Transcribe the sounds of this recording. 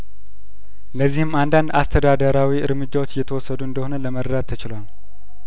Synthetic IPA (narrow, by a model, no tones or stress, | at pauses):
ləzːihɨmand̪and̪ast̪ʰəd̪ad̪əɾawiʔɨ̰ɾmɨd͡ʒːawot͡ʃːjɛt̪ʰəwɔsːəd̪uɨnd̪əho̞nələməɾəd̪at̪ʰːət͡ʃɪlwal